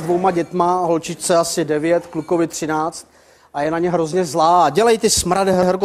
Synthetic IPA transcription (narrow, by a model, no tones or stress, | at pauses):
dvowmaɟɛt̪maɦo̞lt͡ʃɪt͡ʃt͡sɛasɪdɛvɪjɛt̪klukovɪt̪r̝̥ɪnaːt͡st̪ | ʔajɛnaɲɛɦɾozɲɛzlaːɟɛlajt̪ɪsmɾadɪɦɛɦɛɾk̬o